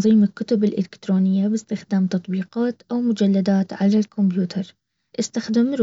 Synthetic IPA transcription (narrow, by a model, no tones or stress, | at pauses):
ðˤiːmɪkːʊt̪ʊbɪlʔɪ̰lɪkt̪ɾoːnɪjːabɪst̪ɪxd̪aːmt̪ɑt̪ˤbiːqɑːt̪ʔawmʊd͡ʒalːad̪aːt̪ʕalalkʰʊmbjuːt̪ʰɑɾˤ | ʔɪst̪axd̪ɪmɾ